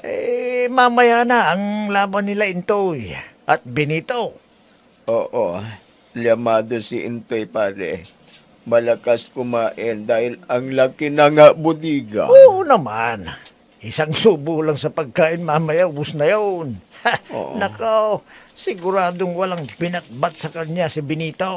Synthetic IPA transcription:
ʔmamɐjanaʔɐŋlaːbɐnːɪlaɪnt̪ojʔɐt̪̚bɪnit̪o | ʔoːʔo | ljɐmaːd̪osɪʔɪ̰nt̪ojpaːɾɛ̰ | mɐlɐkaskʊmaːʔɪnd̪aːhɪlɐŋlakɪnɐŋabʊd̪iːɡa̰oːʔonɐman | ʔɪsaŋsuːbʊlaŋsɐpɐɡ̚kaːʔɪnmamɐjabʊsnɐjano̰ʔnɐkasɪɡʊɾaːd̪oŋwɐlaŋpɪnɐt̪̚bat̪̚sɐkɐɲasɪbɪniːt̪o

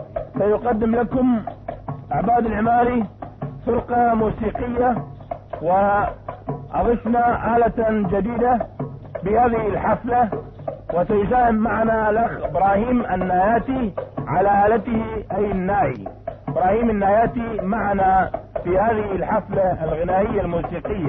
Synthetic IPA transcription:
sajʊqɑd̪ːɪmlakʊm | ʔaʕbaːd̪ɪlʕɪmaːlisʊɾqɑmuːsiːqɪjːa | wɪ | ʔɑðˤɨfnaʔaːlad͡ʒad̪iːd̪a | bɪhaːðɪhɪlħaflawɪsajsaːhɪmːaʕanalaɣɪbɾɑːhiːmanːaːjaːt̪iʕalaʔaːlat̪ɪhɪʔajɪnːaːʔḭɪbɾɑːhiːmɪnːaːjaːt̪imaʕanafihaːðɪhɪlħaflalɣɪnaːʔɪjːalmuːsiːqɪjːa

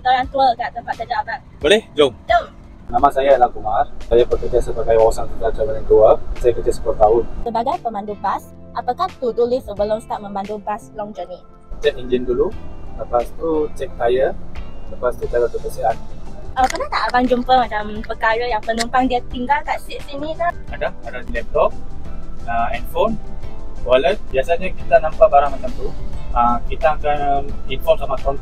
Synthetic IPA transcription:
t̪oɾaŋt̪uəkaʔt̪əmpaʔt̪əd͡ʒaʔba | bolɛhd͡ʒoŋd͡ʒoŋ | namãsajalakumarsajapəkəd͡ʒəsəpəkajəwawasaŋt̪ukat̪amanaŋt̪uəsajakəd͡ʒəsə̥puloht̪aɦʊnsəbaɡajpəmandubas | apakaht̪ud̪ulɪsəbəlʊmst̪aʔmə̃mandubaslɔŋd͡ʒəni | t͡ʃɛk̚iɲd͡ʒɪndululəpast̪ut͡ʃɛk̚t̪ajələpast̪udalat̪ukəsiat̪̚əpənat̪aʔabaŋd͡ʒumpəmad͡ʒampəkaɾəjaŋpənumpaŋdiat̪iŋɡalkaʔsiʔsinĩla | adaadanlɛp̚t̪ɔp̚ | əɛnfonwalət̚biasaɲakit̪anãmpaʔbaɾaŋmat͡ʃamt̪uəkit̪aːkanikɔnsamakɔn

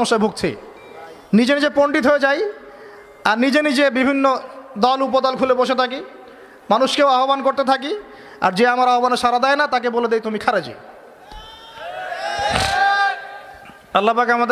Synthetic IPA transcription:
oʃːaebʱuɡt͡ɕʰḛ | nid͡ʑenid͡ʑepoɳɖit̪ɦoed͡ʑaj | aɾnid͡ʑenid͡ʑebibʱinːod̪ɔlup̬od̪ɔlkʰuleboʃet̪ʰaki | manuʃkewaɦobankoɾt̪et̪ʰak̬i | a̰ɾd͡ʑeamaɾaɦobaneʃaɾad̪ɛenat̪ak̬eboled̪ejt̪umikʰaɾad͡ʑḭ | ɐlːapakamad̪

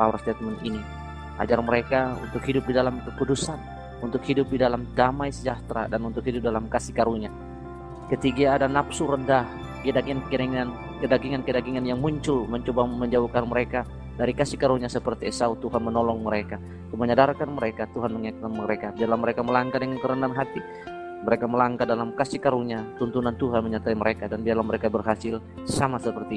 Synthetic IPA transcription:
pawɾast̪ɛt̪manini | ʔa̰d͡ʒarməɾekaṵnt̪ʊkhidʊp̚didalamkəkudusan | unt̪ʊkhidʊp̚didalamdamajsəd͡ʒaht̪ɾa̰danunt̪ʊk̚ɦidʊp̚dalamkasihkaɾuɲa | kət̪iɡaːdanapsuɾəndah | kdaɡiankəɾiŋan | kədaɡiŋankədaɡiŋanjaŋmuɲt͡ʃʊlməɲt͡ʃobaməɲd͡ʒaukanməɾeka | daɾikasikaɾuɲasəpərt̪iɛsaut̪uɦanmənɔlɔŋməɾeka | məɲadarkanməɾekat̪uɦanməŋakanməɾekabiarlaməɾekaməlaŋkadəŋankəɾəndanɦat̪i | məɾekaməlaŋkadalamkasikaɾuɲat̪unt̪unant̪uɦanməɲat̪aiməɾʔekadanbiarlaməɾekabərɦasɪl | samasəpərt̪i

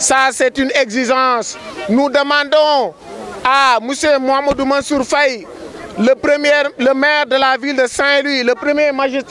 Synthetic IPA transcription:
sasɛtyneɡziʒɑ̃ːsnudəmɑ̃ndõ | amusemuamodumãnsuɾfaj | ləpɾəmɛləmɛːɾdəlavildəsɛ̃lwiləpɾəmjemaʒist̪

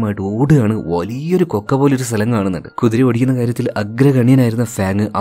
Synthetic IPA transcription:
maːjiʈːɨoːɽɨaːɳɨʋɐlijɐo̞ɾuko̞kːɐpo̞ːleoɾust̪ʰɐlɐŋkːaːɳɨnːɐ̰ɳɖɨkuðiɾeʋɐɽikʲːunːɐkaːɾjɐt̪ːilɐɡɾɐkɐɳjɐnaːjiɾunːɐfaːŋːɨʔɐ

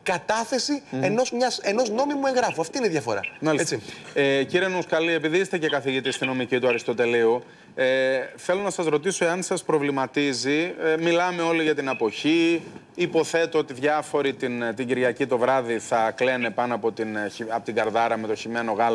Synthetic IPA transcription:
kɐt̪ɐθe̞sieno̞zmɲɐseno̞znomimue̞ŋɣɾɐfuɐft̪iːneiðʝɐfo̞̰ɾɐ̰mɐlieieciɾienuskɐlie̞piðiist̪ecekɐθiʝit̪ist̪ino̞micit̪uɐɾist̪o̞t̪e̞liu | eθe̞lo̞nɐsɐzɾo̞t̪iso̞eɐnsɐspɾovlimɐt̪izimilɐme̞o̞liʝɐt̪inɐpo̞çiː | po̞θe̞t̪oot̪iðʝɐfo̞ɾit̪int̪iɟiɾʝɐcit̪o̞vɾɐðiθɐkle̞ne̞pɐnoɐpo̞t̪iniɐpot̪iɡɐɾðɐɾɐme̞t̪o̞çime̞no̞ɣɐlo

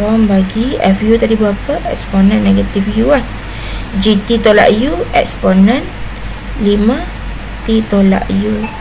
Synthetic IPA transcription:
ɔmbaɡiɛ̰fjut̪adibapəʔɛksponə̃nːɛɡət̪ifjuah | d͡ʒit̪it̪ola̰ʔjuɛksponə̃n | limã | t̪it̪ola̰ʔju

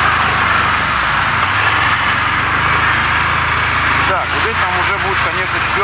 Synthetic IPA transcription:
d̪aozʲd̪ʲesʲt̪amʊʐɛbudʲɪt̪̚kɐnʲe̞ʂnəsʲɪ̥pʲo

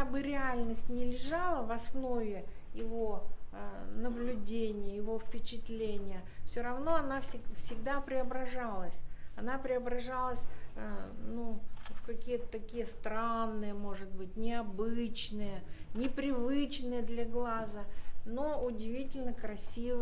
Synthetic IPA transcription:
abɨɾʲɪalʲnəsʲtʲnʲɪlʲɪʐalˠəvɐsno̞vʲɪjɪvo | nəblʲʊdʲenʲɪjəjɪvo̞fpʲɪt͡ɕɪt̪lʲenʲɪjəfsʲoɾɐvno̞ɐnafsʲɪɡfsʲɪɡ̚d̪apɾʲɪɐbɾɐʐalˠəsʲɐnapɾʲɪɐbɾɐʐalˠəsʲ | nufkɐkʲijət̪ə̥t̪ɐkʲijəst̪ɾanːɨjəmo̞ʐɨt̪̚bɨt̚ʲnʲɪɐbɨt͡ɕnɨjənʲɪpɾʲɪvɨt͡ɕnɨjəd̪lʲɐɡlˠazənoʊdʲɪvʲitʲɪlʲnəkɾɐsʲiv

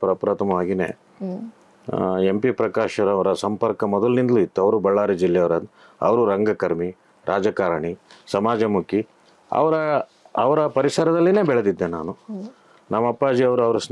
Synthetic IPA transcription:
pɾɐpɾaːt̪ʰɐmɐʋaːɡinḛː | e̞mpipɾɐkaːʃɐɾɐʋɐɾɐsɐmpɐɾkɐmɔd̪ɐlnind̪luit̪ːuɐʋɐɾubɐɭːaːɾid͡ʒilːɛjɐʋɐɾɐ | ɐ̰ʋɐɾuɾɐŋɡɐkɐɾmi | ɾʔaːd͡ʒɐkaːɾɐɳisɐmaːd͡ʒɐmuki | ɐ̰ʋɐɾɐː | ʋɐɾɐpɐɾisɐɾɐd̪ɐlːine̞ːbɛɭɐd̪id̪ːenaːnu | nɐmːɐpːaːd͡ʒiɐʋɐɾuɐʋɐɾɐs

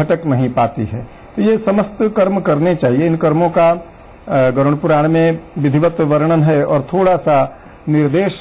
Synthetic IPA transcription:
ɐʈəknɐɦĩpaːt̪ḭɦɛ̰ː | t̪ojesɐməst̪kəɾmkɐɾnet͡ʃaːɦieɪnkəɾmõka | ɡəɾəɽ̃pʊɾaːɽ̃mẽʋɪd̪ʱiʋət̪ʋəɾɽ̃ənɦɛɔːɾt̪ʰoːɽasa | nɪɾd̪eːʃ

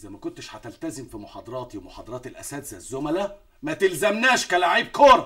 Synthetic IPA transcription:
ʔezæmækont̪eʃħæt̪ælt̪æzemfimoħɑːd̪ˤɑɾˤɑːt̪iwemoħɑːd̪ɑɾˤɑːt̪elʔæ̰sæːt̪zæzːomælæ | mæt̪elzæmnæːʃkælaʕiːb̚kʰoːɾˤɑ

